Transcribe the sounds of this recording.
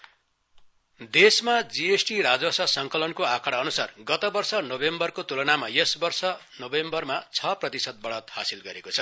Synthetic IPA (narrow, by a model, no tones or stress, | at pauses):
d̪esmad͡ziesʈiɾad͡zwʌsʌsʌŋkʌlʌnkoakʰaɽʌːnusarɡʌt̪ʌbʌrsʌnʌbembʌrkot̪ulʌnamajʌsbʌrsʌnʌbembʌrmat͡sʰʌprʌt̪isʌt̪̚bʌɽʌt̪ha̰silɡʌɾekot͡sʰʌ